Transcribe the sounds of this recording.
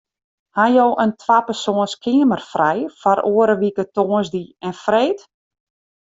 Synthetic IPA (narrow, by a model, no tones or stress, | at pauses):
hajowʔəntʰwapərsoːənskʰɪəmərfrɛjfɔɾʔoːəɾəʋikətoːənzdiɛnfreːt